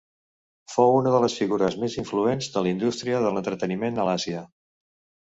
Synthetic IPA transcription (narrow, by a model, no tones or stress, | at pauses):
fowunəðələsfiɣuɾəzmeziɱfluenzðəlind̪ust̪ɾiəðələnt̪ɾət̪ənimenəlasiə